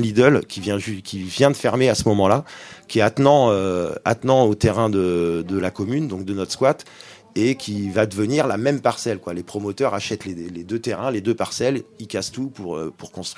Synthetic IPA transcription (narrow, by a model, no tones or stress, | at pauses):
lid̪œlkʲivjɛ̃ʒkʲivjɛ̃d̪əfɛʁmeasəmɔmɑ̃lakʲiɛat̪nɑ̃øa̰t̪nɑ̃ot̪eʁɛ̃d̪əd̪əlakɔmynd̪ɔ̃k̚d̪ənɔt̪χskwat̪ | ekʲʰivad̪əvəniʁlamɛmpaʁsɛlkwalepχɔmɔt̪œʁaʃɛt̪leled̪øt̪eʁɛ̃led̪øpaʁsɛlikʲast̪upuʁø̰puʁkɔ̃st̪χi